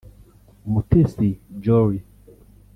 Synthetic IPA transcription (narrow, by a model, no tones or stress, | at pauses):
mutesid͡ʒɔɾi